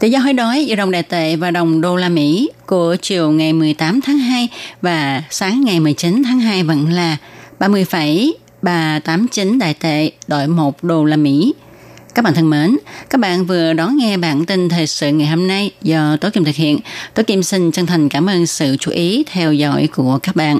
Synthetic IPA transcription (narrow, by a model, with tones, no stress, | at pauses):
t̪ḭ˧˨zɔ˧ɦo˧˦jɗɔ˨˦jzɨ˧˩ɗə˨˩ŋ͡mɗa̰ː˨jt̪ḛ˧˨vaː˨˩ɗə˨˩wŋ͡mɗo˧laː˧mḭ˧˥ku˧˩ət͡ɕi˨˩əwŋa˨˩jmɨ˨˩əjt̪aː˨˦mt̪ʰaː˨˦ŋɦaː˧jvaː˨˩saː˨˦ŋːa˨˩jmɨ˨˩əjt͡ɕi˨˦nt̪ʰaː˨˦ŋɦaː˧jvə̰˧˥nlaː˨˩ɓaː˧mɨ˧əjfa˧˩j | ɓaː˨˩t̪aː˨˦mt͡ɕi˨˦nɗa̰ː˧˨jt̪ḛ˧˨ɗo̰˧˩jmo˨˩t̚ɗo˧laː˧mḭ˧˥ | kaː˦˥k̚a̰ː˧˨nt̪ʰə˧nməː˨˦nkaː˦˥k̚ɓa̰ː˧˨nvɨ˨˩əɗɔ˨˦nŋɛ˧ɓaː˧˩nt̪i˧nt̪ʰeː˨˩jsɨ̰˧˨ŋa˨˩jho˧mna˧jzɔ˧t̪o˨˦ki˧mt̪ʰɨ˨˩k̚hḭ˧˨ənt̪o˨˦jki˧msï˧ŋ̟t͡ɕə˧ŋt̪ʰa˨˩jŋ̟kaː˧˩mʔəː˧nsɨ̰˧˨t͡ɕu˨˧˦ʔi˨˦t̪ʰɛ˧wzɔ̰˧˩jku˧˩əkaː˦˥k̚ɓa̰ː˧˨nʔ